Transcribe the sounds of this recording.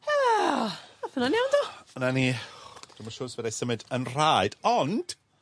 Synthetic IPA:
a | aθənanewndɔənanid̥ɪmaʃʊːrsɪbədajsəmɨdənr̥aɨd̥ɔnd̥

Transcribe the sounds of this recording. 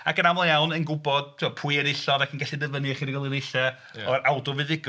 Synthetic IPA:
akənamlˠjawnənɡʊbɔd̥̚tʰɪmapʰuɨɛnɪɬɔdakʰənɡaɬidəvənɨχiːniwɛlˠɪnɪɬɛ | ɔɾawdɔvɨðɪɡ

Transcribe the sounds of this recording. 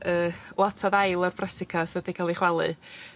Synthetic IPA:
əːlˠɔtʰaðajlˠɔrbrɛsɪkʰasðədikʰalˠiχwɛlˠɨ̰

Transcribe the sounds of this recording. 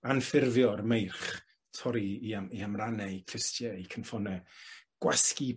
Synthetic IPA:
anfɪrvjɔrmejrχ | tʰɔɾiːaiamranɛikʰrɪstjɛikʰənfɔnɛɡ̥waski

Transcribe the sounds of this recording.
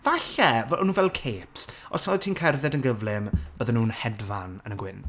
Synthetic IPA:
vaɬɛvnuːvɛlˠkʰeːps | ɔ̰sɔjtʰiːnkʰɛrðɛdənɡəvlɪmb̥əðɛnuːnhɛdvanənəɡwɪn

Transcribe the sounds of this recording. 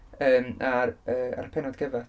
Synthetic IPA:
əːmarəːa̰ɾpʰɛnɔd̪ɡəva

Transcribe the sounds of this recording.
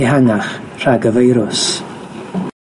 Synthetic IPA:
ihaŋaχr̥aɡəvejɾʊs

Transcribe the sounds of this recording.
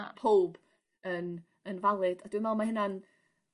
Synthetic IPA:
a̰pʰowb̥ | ən | ənvalˠɨd̥ad̥wɪmɛlˠmahɪnan

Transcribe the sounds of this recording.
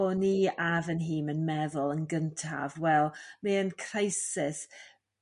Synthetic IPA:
ɔniːavənɦiːmənmɛðʊlˠənɡəntʰa̰vwɛlˠmiənkʰrajsɪs

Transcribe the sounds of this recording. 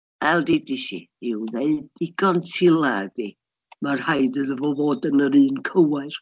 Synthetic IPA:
ɛlˠdidiʃḭɪwðeɨdɪɡ̥ɔntʰilˠadi | marhajdɨðəvɔvoːdənəɾɨːnkʰəwaɨr

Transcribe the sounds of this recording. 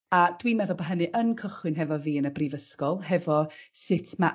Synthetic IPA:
ad̥wiːmɛðʊlˠbəɦənɨʔənkʰəχwɨnɦɛvɔviːənəbriːvəskɔlˠɦɛvɔsɪtʰma

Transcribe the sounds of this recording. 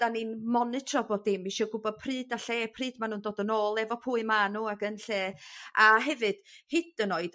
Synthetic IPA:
d̥aninmɔnɨtʰrɔbɔdɪmiʃɔːɡʊbɔd̥̚pʰrɨːdaɬeːpʰriːd̥man̥uːndoːdənoːlˠɛvɔpʰuːɨmaːnuaɡənɬeːaɦɛvɨd̥hɪd̥ənoːɨd̥

